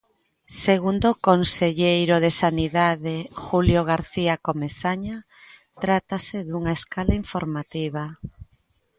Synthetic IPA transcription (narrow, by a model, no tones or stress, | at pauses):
seɣ̞und̪okonseʎejɾoðesaniðaðexuljoɣaɾθiakomesaɲa | t̪ɾat̪aseðuŋaeskalaiɱfoɾmat̪iβa